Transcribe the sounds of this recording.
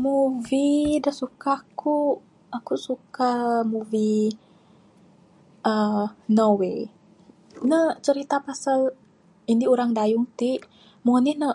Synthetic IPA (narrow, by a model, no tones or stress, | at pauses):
muvidəsukaku | akusukamuvi | ʔənowe | nət͡ʃəɾit̪apasal | indiuɾaŋdajʊŋt̪iʔ | muanihnə